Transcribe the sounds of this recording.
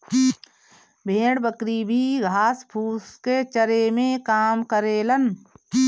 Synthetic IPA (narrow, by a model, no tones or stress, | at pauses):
bʱeːɽbəkɾibʱiɡʱaːspʰuːsket͡ʃəɾemẽkaːmkəɾeːlən